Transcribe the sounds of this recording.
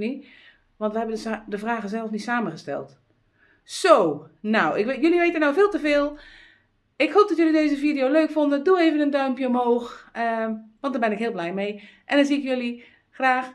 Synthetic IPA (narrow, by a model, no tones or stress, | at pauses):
ni | ʋɑntʋəɦɛbədəvraːɣəzɛlˠəfnitsaːmənɣəstɛ̰lˠt | sownawɪkʋkjøliʋeːtənːawvɪːlˠtəveːlˠ | ɪkɦoːp̚dɔtjølideːzəvidijowløːkfɔndəduejvənəndœɥmpjəɔmɦoːxəʋɑntdaːbɪnɪkɦɪːlˠblɛjmejʔɛndanziɪkjøli | xraːx